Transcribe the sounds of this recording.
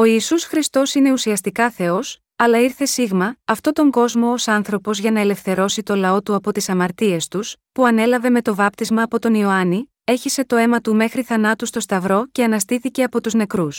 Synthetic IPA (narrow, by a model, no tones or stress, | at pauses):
o̞iːsusxɾist̪o̞sine̞usiɐst̪ikɐθe̞o̞s | ɐlɐiɾθe̞siɣmɐːft̪o̞t̪o̞ŋɡo̞zmo̞osɐnθɾo̞po̞zʝɐnɐele̞fθe̞ɾo̞sit̪o̞lɐo̞t̪uɐpo̞t̪isɐmɐɾt̪ie̞st̪uspuɐne̞lɐve̞me̞t̪o̞vɐp̚t̪izmɐːpo̞t̪o̞nio̞ɐni | eçise̞t̪o̞e̞mɐt̪ume̞xɾiθɐnɐt̪ust̪o̞st̪ɐvɾo̞ce̞ɐnɐst̪iθiceɐpo̞t̪uzne̞kɾus